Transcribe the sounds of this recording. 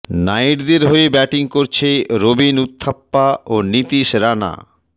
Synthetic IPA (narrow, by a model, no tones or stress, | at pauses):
najʈd̪eɾɦoebɛʈiŋkoɾt͡ɕʰeɾobinut̪ʰːapːaonit̪iʃɾana̰